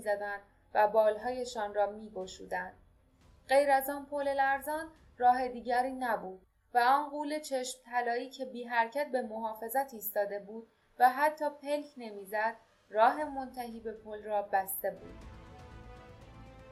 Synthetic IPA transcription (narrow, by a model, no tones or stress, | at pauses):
zæd̪ænd̪̥ | væbɒːlɦɒːje̞ʃɒːnrɒːmiːɡo̞ʃuːd̪ænd̪̥ | ɢejɾæzɒːnpʰolelæɾzɒːn | rɒːɦe̞d̪iːɟæɾiːnæbuːd̪̥̚ | væɒːnɢuːle̞t͡ʃʰe̞ʃmt̪ʰælɒːiːcʰe̞biːɦæɾcʰæt̪̚be̞moɦɒːfe̞zæt̪ʰiːst̪ɒːd̪e̞buːd̪̥̚ | væɦæt̪ʰːɒːpʰe̞lcʰne̞miːzæd̪̥ | rɒːɦe̞mo̞nt̪ʰæɦiːbe̞pʰolrɒːbæst̪e̞bṵːd̪̥